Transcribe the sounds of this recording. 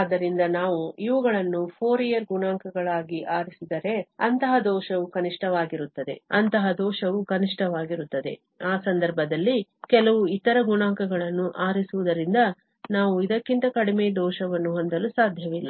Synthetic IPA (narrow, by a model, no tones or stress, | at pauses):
aːd̪ːɐɾind̪ɐnaːʋuiʋɐɡɐɭɐnːupʰoːɾijɐɾɡunaːŋkɐɡɐɭaːɡiʔaːɾisid̪ɐɾe̞ɐnt̪ɐɦɐd̪ɔːʃɐʋukɐniʂʈɐʋaːɡiɾut̪ːɐd̪e̞̰ɐnt̪ɐɦɐd̪ɔːʃɐʋukɐniʂʈʰɐʋaːɡiɾut̪ːɐd̪e̞̰ | aːsɐnd̪ɐɾbʱɐd̪ɐlːikɛlɐʋuit̪ɐɾɐɡuɳaːŋkɐɡɐɭɐnːuʔaːɾisuʋud̪ɐɾind̪ɐ | naːʋuid̪ɐkːint̪ɐkɐɽimed̪ɔːʃɐʋɐnːuɦond̪ɐlusaːd̪ʱjɐʋilːɐ̰